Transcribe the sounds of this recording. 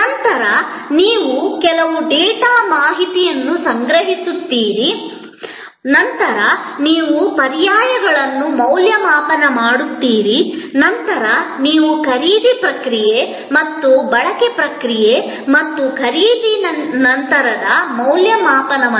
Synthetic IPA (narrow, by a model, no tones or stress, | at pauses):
nɐnt̪ɐɾɐniːʋukɛlɐʋud̪ɛːʈaːmaːɦit̪ijɐnːusɐŋɡɾɐɦisut̪ːiːɾi | nɐnt̪ɐɾɐniːʋupɐɾijaːjɐɡɐɭɐnːumɐwljɐmaːpɐnɐmaːɽut̪ːiːɾinɐnt̪ɐɾɐniːʋukʰɐɾiːd̪ipɾɐkɾije | mɐt̪ːubɐɭɐkepɾɐkɾije | mɐt̪ːukʰɐɾiːd̪inɐnt̪ɐɾɐd̪ɐmɐwljɐmaːpɐnɐ